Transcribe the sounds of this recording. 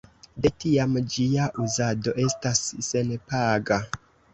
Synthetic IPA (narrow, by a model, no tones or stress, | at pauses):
de̞tiamd͡ʒiaʔuzado̞ʔe̞stasːe̞npaɡa